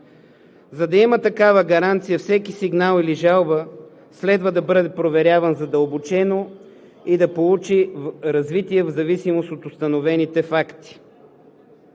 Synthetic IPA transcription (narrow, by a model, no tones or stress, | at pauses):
zɐd̪ɐimət̪ɐkavəɡɐɾant̪sijəfsɛkisiɡnalˠiliʒalˠbə | slɛd̪vəd̪ɐbɤd̪ɛpɾovɛɾʲjavɐnzɐd̪əlˠbot͡ʃɛno | id̪ɐpolˠut͡ʃiɾɐzvit̪iɛvzɐvisimost̪ot̪ʊst̪ɐnovɛnit̪ɛfakt̪i̥